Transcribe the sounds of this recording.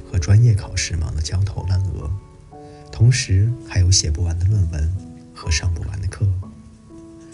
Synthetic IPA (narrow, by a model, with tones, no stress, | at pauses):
xɤ˧˥ʈ͡ʂwa˥njɛ˥˩kʰɑ˨˩ʊʂɻ̩˥˩mɑ̰˧˥ŋd̪ə˧t͡ɕjɑ˥ʊt̪ʰo˧˥ʊna˥˩nɤ̰˧˥ | t̪ʰʊ˧˥ŋʂɻ̩˧˥xa˧˥ɪjo˧˥ʊɕjɛ˨˩pu˥˩wa˧˥nd̪ə˧lwə˥˩nwə˧˥n | xɤ˧˥ʂɑ˥˧ŋpu˥˩wa̰˧˥nd̪ə˧kʰɤ˥˩˥